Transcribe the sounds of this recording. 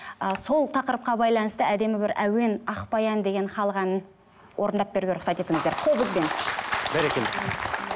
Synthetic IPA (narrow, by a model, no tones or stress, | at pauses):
əso̞lˠt̪ʰɑqəɾəp̚qɑbɑjlˠɑnəst̪əæd̪e̞mɪbɪɾʔæwe̞nɑχpɑjɑnd̪e̞ɡʲe̞nχɑlˠəʁɑnən | wʔoɾənd̪ɑp̚be̞ɾuɡʲe̞ɾʊχsɑt̪e̞t̪ɪŋɪzd̪e̞ɾqʰo̞bəzbe̞nbæɾekʲen